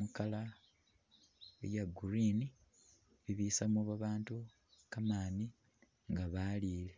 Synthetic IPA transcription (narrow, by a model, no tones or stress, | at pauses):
mukala | ḛjaɡuɾini | βiβiːsamoβaβaːntu | kamaːni | ŋɡaβaːliːle